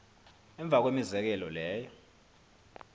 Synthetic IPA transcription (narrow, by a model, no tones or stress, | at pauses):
ɛɱb̪vʱak̬wemizɛk̬ɛlɔlɛːjɔ